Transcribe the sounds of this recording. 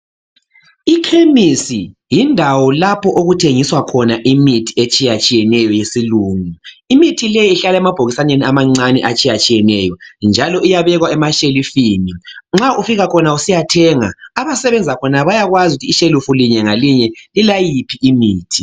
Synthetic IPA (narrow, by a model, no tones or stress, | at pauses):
ikʰemisijindʱawɔlapʰɔʔoɣutʰeŋiswakʰɔnaʔimitʰiet͡ʃʼijat͡ʃʼijɛnɛjɔjesiluːŋuimitʰilɛjiːɬalaɛmab̥ʱoɣisaneniamaŋ͡ǀanɛ̰ʔat͡ʃʼijat͡ʃʼijɛnɛjɔnd͡ʒʱalɔijaβɛɣwaɛmaʃelifiːniŋ͡ǁaʔufiɣakʰɔnausijatʰɛŋa̰aβasɛβɛnd͡zʱakʰɔnaβajaɣwazutʰiːʃelufuliɲɛŋaliɲɛlilajipʰiʔimiːtʰi